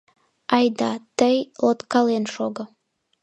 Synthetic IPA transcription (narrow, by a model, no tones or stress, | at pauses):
ɑjd̪ɑt̪əjlot̪kɑlenʃoɡə